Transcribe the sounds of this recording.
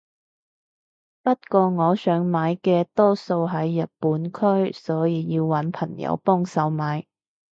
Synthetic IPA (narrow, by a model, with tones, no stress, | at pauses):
pɐ˥t̚kʷɔː˧ŋɔː˨˧sœː˨˥ŋmaː˨˧˥jkɛː˧t̪ɔː˥so˧wɦɐ˨˥jːɐ˨t̚pːuː˨˥nkʰɵ˥ɥsɔː˨˥jiː˧jiː˧wːɐ˨˥npʰɐ˨˩ŋjɐ̰˧wpɔː˥ŋsɐ˨˥wmaː˨˥j